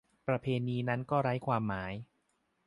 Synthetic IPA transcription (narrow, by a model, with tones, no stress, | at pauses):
pɾa˧pʰeː˧niː˧na˦˥nkɔː˥˩ɾa˦˥jkʰwaː˧mːaː˩˦j